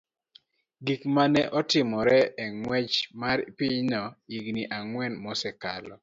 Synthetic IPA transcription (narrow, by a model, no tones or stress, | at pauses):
ɡikmanɛʔɔtɪmɔɾɛɛŋwɛt͡ʃmaɾpiɲnɔiɡniʔaŋwɛnmɔsɛka̰lɔ̰